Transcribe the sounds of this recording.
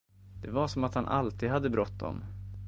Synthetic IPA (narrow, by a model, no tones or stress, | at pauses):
d̪̥ɛvaɾʂɔmat̪hanʔa̰lt̪iːd̪had̪ːəbɾɔt̪ːd̪ɔ̰m